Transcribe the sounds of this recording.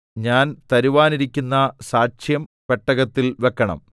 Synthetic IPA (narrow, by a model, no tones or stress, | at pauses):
ɲaːnt̪ɐɾiʋaːniɾikʲːunːɐsaːt͡ɕjɐm | peʈːɐɣɐt̪ːilʋe̞kːɐɳɐ̰m